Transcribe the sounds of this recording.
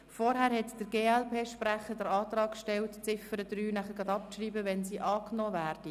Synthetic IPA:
fɔɾɦæːɾhɛt̪d̥əɾɡeːɛlpʰeːʃpræχədəɾɑːt̪rɑːkʃtɛltt͡sɪfəɾədryːnæχəɡɑd̪ɑp̚ʃriːbəʋɛnsiːʔɑːknɔːvæːɾd̥i

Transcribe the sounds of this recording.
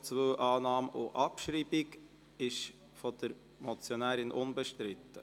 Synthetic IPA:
t͡svəwʔɑːnɑːmʊʔɑpʃɾiːbɪk | ɪʃ | fɔd̥əɾ | mɔt͡sjɔnæːɾɪnʔʊnbəʃtɾɪt̪ːə

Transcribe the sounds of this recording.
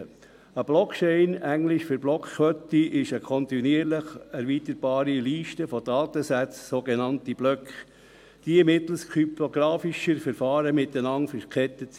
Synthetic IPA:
əb̥lɔkt͡ʃɛɪnæŋlɪʃføɾblɔkkʰʋœtːiʔɪʃəkʰɔnt̪iniəɾləχɛɾvitəɾb̥ɑːɾiliːʃtəfɔdɑːt̪əsæt͡ssoɡenɑntib̥lœkχ | d̥imɪt̪l̩skʰyptoɡɾɑːfiʃəɾfəɾfɑːɾəmɪtənɑŋfəkʰɛt̪ːət͡s

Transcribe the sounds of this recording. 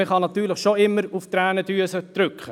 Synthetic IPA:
əχɑnɑt̪yːɾləχʃoɪmːəɾuft̪ɾæːnəd̥̪yəsəd̪̥ɾʏkχə

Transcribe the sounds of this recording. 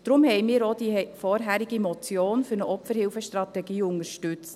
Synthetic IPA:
d̥ɾʊmhɛjmiːɾɔd̥ifɔːɾɦæɾiɡimɔt͡sjoːnfɵɾnəʔɔpfəɾhɪlfəʃtrɑt̪ɛɡiːʊŋəɾʃtʉt͡st

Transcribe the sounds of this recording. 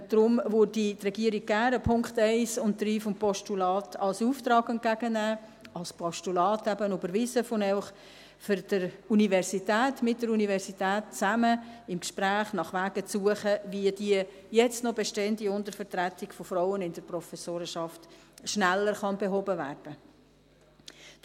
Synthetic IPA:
d̪̥ɾʊmʋʊɾditrɛɡiəɾiɡ̚ɡæːɾəpʰʊŋkχtɛɪsʊnttːɾiːfɔmpʰɔʃtulɑːtʰɑlsuːft̪ɾɑːɡɛnt̚kæɡ̥ənæː | ɑlspʰɔʃtulɑːtæbənobəɾʋɪsəfonɛʊχ | fɨɾd̥əɾunivɛɾsitæːtmɪt̚d̥əɾunivɛɾsitæːt̚t͡sæməɪmkʃpɾæːχnɑχʋæːɡ̥ət͡suəχəʋiədiə | jɛt͡stnɔbɛʃtɛəndiʊndəɾfəɾtɾætɪɡ̥fofɾaʊənɪnd̥əɾprɔfɛsoːɾəʃɑftʃnælːəɾχɑnbeɦɔbəvæːrd̥ə

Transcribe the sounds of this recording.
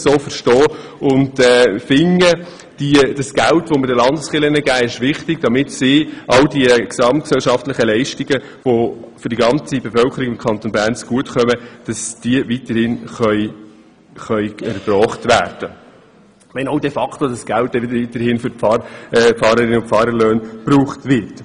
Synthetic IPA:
soːfəɾʃtɔː | ʊntɛːfɪŋə | d̥id̥ɑsɡ̥æltʋomɪdəlɑndəsχɪlənəɡæːɪʃʋɪχtɪɡd̥ɑmɪtsɪʔɑldiəksɑmt̚ksɛlʃɑftlɪχəlɛɪʃtiɡə | ʋofʏɾd̥iɡɑnt͡sibefœlkʰəɾiɡɪmkʰχɑnt̪onbæːɾnt͡sɡ̥uətχœməd̥ɑsd̥iəvitəɾhɪnχœʏ | χœʏɛɾb̥ɾɔːχtʋæːrd̥ə | ʋɛnowdɛfɑkχtodɑsɡ̥ælt̚ːɛʋɪdəɾvitəɾhɪnfʏfɑrfɑːɾəɾɪnəʊnfɑːɾəløːnb̥ɾuːχtvɪɾt

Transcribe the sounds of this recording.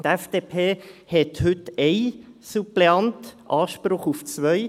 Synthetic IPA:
t̪ɛfd̥eːpʰeːhɛthʏtɛɪ | supleɑntʔɑːʃpɾʊχuft͡sʋœɪ

